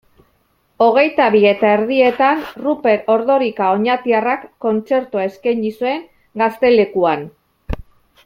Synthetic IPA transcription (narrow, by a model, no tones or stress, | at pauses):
o̞ɣ̞e̞jt̪aβie̞t̪ae̞ɾðie̞t̪anrupe̞ɾo̞ɾðo̞ɾikao̞ɲat̪iarakːo̞nt͡se̞ɾt̪uae̞skajɲisue̞ŋ | ɡast̪e̞le̞kuan